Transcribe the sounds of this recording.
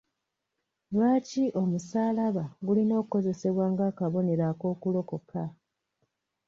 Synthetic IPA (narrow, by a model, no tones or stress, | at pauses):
lwaːciʔo̞musaːlaβaɡulino̞ːkuko̞ze̞se̞βwaːŋɡaːkaβo̞ne̞ɾako̞ːkulo̞ko̞kʰa